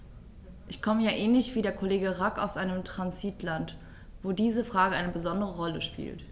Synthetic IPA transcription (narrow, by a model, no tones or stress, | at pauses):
ʔɪçkʰɔməjaːʔɛːnlɪçv̥iːdeːɐkʰoleːɡəʁaka̰ʊsʔaɪnəmtʁ̥anziːtʰlant | v̥oːdiːzəfʁ̥aːɡəʔaɪnəbəzɔndəʁəʁɔləʃpḭːlt